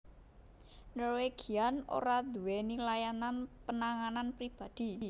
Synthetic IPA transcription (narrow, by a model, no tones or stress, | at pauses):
nɔrweɡ̥iano̰ɾad̪ṳwɛnilajananpənaŋananpɾib̥a̤d̪̥i̤